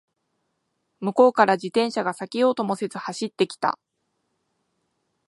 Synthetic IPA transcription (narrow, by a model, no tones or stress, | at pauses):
mɯ̟ko̞ːkaɾad͡ʑit̪ẽ̞ɰ̃ɕaɡasakʲio̞ːt̪o̞mo̞se̞zɨhaɕit̪ːe̞kʲi̥t̪a̰